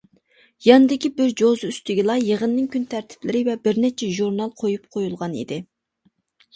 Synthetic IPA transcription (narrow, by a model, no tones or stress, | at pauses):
jɑnɨd̪ɪkʲibɪɾd͡ʒozyst̪ɪɡʲilˠɑjəʁənːɪŋkʲʰynt̪ʰæɾt̪ʰɪ̥plɪɾɪvɛbɪɾnɛt͡ʃʰɛʒuɾnɑlˠqʰojup̚qʰojulˠʁɑnḭd̪ɪ